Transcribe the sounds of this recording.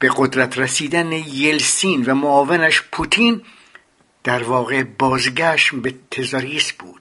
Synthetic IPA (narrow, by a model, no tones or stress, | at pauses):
b̥e̞ɡod̪ɾæt̪ʰɾæsiːd̪ænejelsiːnvæmoɒːvenæʃpʰut̪ʰiːn | d̪̥æɾvɒːɣebɒːzɟæʃmbet̪ʰezɑɾiːsb̥uːd̪̥